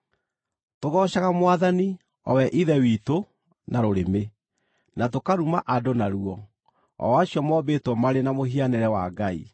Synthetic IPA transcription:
toɣɔːɕaɣamwaðani | ɔ̰wɛʔiðɛwiːto | naɾoɾeme | natokaɾumaʔadonaɾuɔ | ɔ̰waɕjɔmɔbetwɔmaɾenamoɦianɛɾɛwaɡaḭ

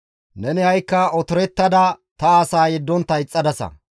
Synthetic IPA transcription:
nɛnɪhɐjkːɐɔt̪ʊɾɛt̪ːɐd̪ɐ | t̪ɐːsaːjɛd̪ːɔnt̪ɐjt͡sʼːɐd̪ɐsɐ̰

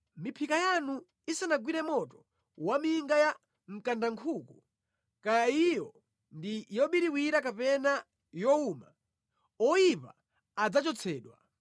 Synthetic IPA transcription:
mipʰikajanu | isanaɡwiɾɛmɔtɔ | wamiŋɡaja | m̩kandaŋkʰuku | kajaijɔ | ndijɔɓiɾiwiɾakapɛna | jɔuma | ɔipa̰ː | d͡zat͡ʃɔt͡sʰɛːɗwa̰

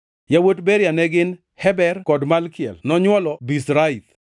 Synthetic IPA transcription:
jawotbeɾjanɛɡɪn | hɛbɛrkɔdmalkɪjɛ̰lnɔɲwɔlɔbisɾait̪

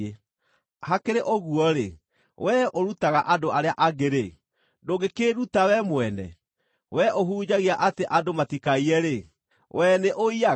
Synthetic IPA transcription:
e | hakeɾeʔoɣuɔɾe | wʔɛoɾutaɣaʔadoaɾeaʔaɣeɾe | doɡekeɾutawɛmwɛnɛ̰ | wɛʔoɦuːd͡ʑaɣiaʔateʔadomatikaiɛɾe | wɛneʔoia

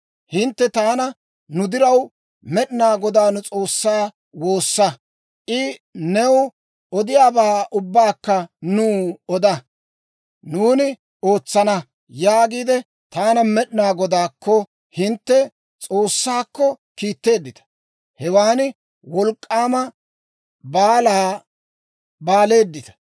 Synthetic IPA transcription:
hɪnt̪ːɛt̪aːnɐ | nʊd̪ɪɾɐw | mɛɗɪnaːɡɔd̪aːnʊt͡sʼo̞ːsːaː | wo̞ːsːɐ | ʔɪnɛw | ɔd̪ɪjaːbaːʔʊbːaːkːɐnuːɔd̪ɐ | nuːnɪ | o̞ːt͡sːɐnɐ | jaːɡiːd̪ɛ | t̪aːnɐmɛɗɪnaːɡɔd̪aːkːɔ | hɪnt̪ːɛ | t͡sʼo̞ːsːaːkːɔ | kiːt̪ːe̞ːd̪ːɪt̪ɐ̥ | hɛwaːn | wɔlkʼːaːmɐ | baːlaː | baːle̞ːd̪ːɪt̪ɐ̥

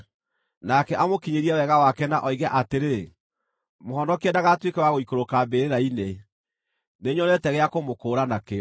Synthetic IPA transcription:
nakɛʔamokiɲeɾiɛwɛɣawakɛnaʔɔiɣɛʔateɾe | mohɔnɔkiɛdaɣatwekɛwaɣoikoɾokambeɾeɾaine | neɲɔnɛtɛɣɛakomokoːɾanake

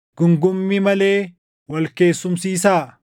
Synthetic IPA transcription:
ɡ̥ʊŋɡʊmːɪmɐle̞ː | wɐlke̞ːsːʊmsiːsaː

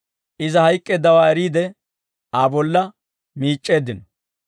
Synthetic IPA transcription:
ʔɪzɐhɐjkʼːeːd̪ɐwaːɛɾiːd̪ɛ | aːbɔlːɐ | miːt͡ʃʼːe̞ːd̪ɪnɔ

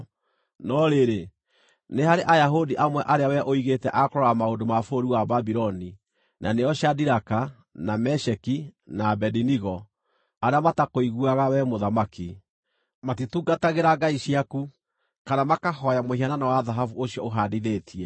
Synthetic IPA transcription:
nɔɾeɾe | neɦaɾeʔajaɦodiʔamwɛʔaɾeawɛʔoiɣetɛʔakoɾɔɾamaondomafoɾiwababiɾɔni | nʔaneɔɕadiɾaka | namɛʃɛkinabɛdiniɣɔ | aɾeamatakoiɣuaɣawɛmoðamaki | matituːɡataɣeɾaɡaiɕiaku | kanamakaɦɔjamohiananawaðaɦavuoɕiɔoɦadiðetʰiɛ

